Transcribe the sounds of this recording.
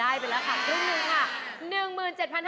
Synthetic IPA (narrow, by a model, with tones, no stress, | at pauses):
aː˥˩jpːla˦˥kʰaː˧˩ŋkʰɾu˥˩mɯ˧əŋkʰa˥˩nɯ˨˩ŋmɯː˨˩nt͡ɕe˨˩t̪̚pʰa˧nh